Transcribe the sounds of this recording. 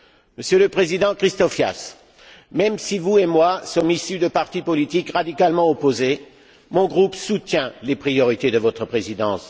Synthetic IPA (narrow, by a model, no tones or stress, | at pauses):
məsjøləpχezid̪ɑ̃kχist̪ɔfja̰s | mɛmsivuemwasɔmisyd̪əpaʁt̪ipɔlit̪ikʁad̪ikalmɑ̃ɔpoze | mɔ̃ɡʁupsut̪jɛ̃lepχijɔʁit̪ed̪əvɔt̪χəpχezid̪ɑ̃s